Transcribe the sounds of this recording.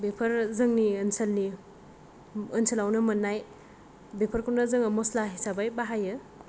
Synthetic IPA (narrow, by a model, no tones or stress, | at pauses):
bepʰɐɾzɯŋniɐnsɐlni | ɐnsʰəlawnɐmɐnːaj | bepʰəɾkʰunazɯŋɐmɔslaɦisabajbaɦajɯ